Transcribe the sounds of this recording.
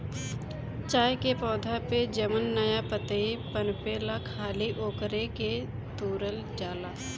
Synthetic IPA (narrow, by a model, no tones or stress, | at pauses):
t͡ʃaːjkepɔːd̪ʱaped͡ʒəmənːɐjapət̪əipənpeːlakʰaːliʔoːkɾeke | t̪uːɾəld͡ʒaːlaː